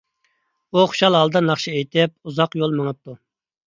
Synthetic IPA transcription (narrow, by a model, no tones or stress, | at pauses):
uχʊ̥ʃɑlˠɦɑlˠd̪ɑnɑχʃiejt̪ʰɪp̚uzɑqjolˠməŋəp̚t̪ʰu